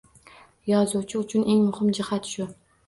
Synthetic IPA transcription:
jɒzuwt͡ʃʰɪʊt͡ʃʰʊnʔe̞ŋmʊhɪmd͡ʒɪhat̪ʃʊ

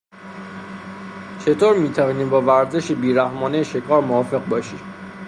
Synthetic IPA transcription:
t͡ʃʰe̞t̪ʰoːɾmiːt̪ʰævɒːniːmbɒːvæɾze̞ʃebiːɾæhmɒːnejeʃekʰɒːɾmoɒːfe̞ɣbɒːʃḭː

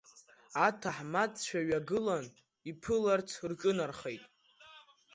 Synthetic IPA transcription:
atʰaħmat͡sʼt͡ɕʷᶣaɥaɡɨlan | ipʰɨlart͡sʰrʈ͡ʂʼɨnarχejtʼ

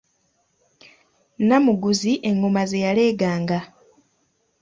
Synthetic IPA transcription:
namuɡuziʔe̞ŋɡomazejale̞ːɡaːŋɡa

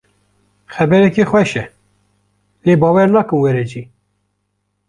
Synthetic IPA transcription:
xɛbɛɾɛkexwɛʃɛ | leːbɑːwɛɾnɑːkɨnwɛɾɛd͡ʒiː

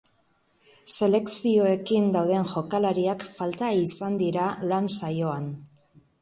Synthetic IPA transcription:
se̞le̞ksio̞e̞kind̪awð̞e̞nʝo̞kalaɾiakfalt̪aisand̪iɾalansajo̞an

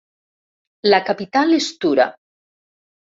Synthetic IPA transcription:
lakapit̪alest̪uɾa̰

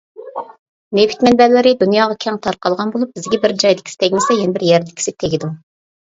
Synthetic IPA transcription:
nepʰi̥t̪mɛnbælːɪɾɪd̪unjɑːʁɑkʲʰɛŋt̪ʰɑɾqɑlˠʁɑnbolˠup̚b̥ɪzɡʲɛbɪɾd͡ʒɑjd̪ɪ̥kʲi̥sɪ̥t̪ʰɛɡʲmɪsɛjenɪbɪɾjɛɾd̪ɪkʲi̥sɪt̪ʰeɡʲid̪u

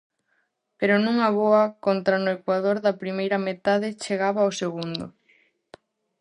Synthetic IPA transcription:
peɾʊnũŋɐβoɐkont̪ɾanʊekwaðoɾðɐpɾimejɾɐmet̪aðɪt͡ʃeɣaβaowseɣund̪ʊ

